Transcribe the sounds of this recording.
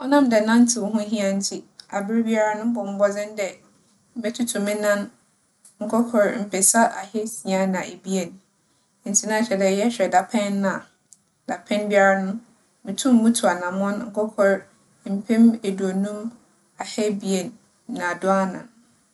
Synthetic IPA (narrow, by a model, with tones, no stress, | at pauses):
ɔ˦nã˦mdɛ˨nã˦n˦tʰɪ˨wʊ˦ɦʊ̃˦ɦi˦ã˦n̩˦tʰi˦a˨bɪ˦ɾbi˦a˦ɾa˦nʊ̃˦bɔ˨m̩˦bɔ˦d͡zɪ̃˦n˦dɛ˨ | m̩˦bɛ˦tʰu˦tʰũ˨mɪ̃˦nã˦n | ŋ̩˨kʰɔ˦kʰɔ˨ɾm̩˨pʰɛ˨sa˦ʔa˨hɛ˦si˨a˦nã˨ʔe˨bi˦e˨n | n̩˨tʰi˦nã˦˨ɕᶣɛ˨dɛ˨jɛ˦ɕᶣɛ˨da˨pʰɛ̃˦ñːa˨ | d̥a˨pʰɛ̃˦nbi˦a˦ɾa˦nʊ̃˦ | mɪ̃˨tʰũ˦m̩˦mũ˦tʰu˨a˨nã˨mɔ̃˦n˦ŋ̩˦˨kʰɔ˦kʰɔ˨ɾ | m̩˨pʰɛ̃˦me˨du˨o˨nũ˦m | a˨hɛ˦bi˦e˨nː | ã˨dʊ˦a˦nã̰˨n